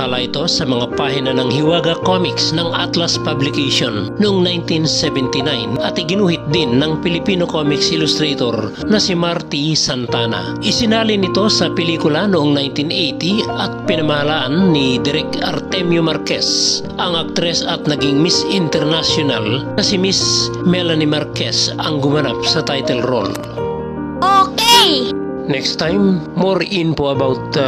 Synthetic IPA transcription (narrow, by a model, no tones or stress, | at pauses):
alaʔit̪o̞sɐmɐŋapaːhinanɐŋhiwaːɡɐkomiksnɐŋat̪laspablɪkeʃonːoʔoŋnajnt̪insɛvɛnt̪inajnɐt̪ɪɡɪnuːhɪt̪̚d̪inːɐŋpɪlipiːnokomiksɪlʊst̪ɾɛt̪oɾ | nɐsimaɾt̪isɐnt̪aːna̰ʔɪsɪnaːlinɪt̪o̞sɐpɛliːkʊlanoʔoŋnajnt̪inejt̪iɐt̪̚pinɐmɐhalaʔanːid̪ɛɾɛk̪̚ɐ̰ɾt̪ɛmjomaɾkes | ɐŋak̚t̪ɾɛsɐt̪̚nɐɡiŋmisint̪ɛɾnasjona̰lnɐsimismɛlanimaɾkɛsɐŋɡumɐna̰p̚sɐt̪ajt̪ɛlɾo̰l | ʔokej | nɛkst̪ajmːoɾinpoɐbawt̪̚